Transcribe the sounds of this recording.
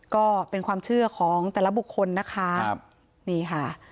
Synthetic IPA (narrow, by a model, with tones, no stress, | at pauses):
kɔː˥˩pe˧nkʰwaː˧mt͡ɕʰɯ˥˩ɐkʰɔː˩˦ŋt̪ɛː˨˩la˦˥bu˨˩kʰːo˧nːa˦˥kʰa˦˥˩p̚ | niː˥˩kʰa˥˩